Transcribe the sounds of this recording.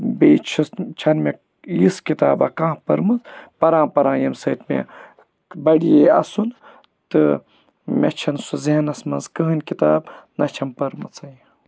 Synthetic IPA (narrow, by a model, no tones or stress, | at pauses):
beːt͡ʃʰist͡ʃʰɐnme | jiskit̪aːbaːkãːpɐɾmɐt͡spɐɾãːmpɐɾãːjɐmsɐt̪mḛ | bɐɽijeɐ̰sun | t̪ɨ | mʲet͡ʃʰɐnsuziɦɐnɐsmɐnzkɨɦɨnʲkit̪aːbnɐt͡ʃʰɐmpɐɾmɐt͡sɐj